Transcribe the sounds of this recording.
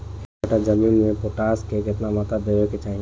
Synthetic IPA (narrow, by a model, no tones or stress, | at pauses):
ʈad͡ʒəmiːnmẽpoʈaːskekɪt̪namat̪ad̪eʋeket͡ʃaːɦĩ